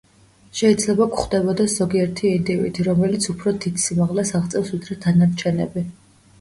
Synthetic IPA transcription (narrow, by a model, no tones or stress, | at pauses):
ʃɛid̪zlɛbakχd̪ɛbɔd̪ɛsz̥ɔɡiɛɾt̪ʰiind̪ivḭt̪ʰiɾɔmɛlit̪sʰupʰɾɔd̪it̪simaʁlɛsaʁt̪sʼɛvsvid̪ɾɛt̪ʰanaɾt͡ʃʰɛnɛ̰bi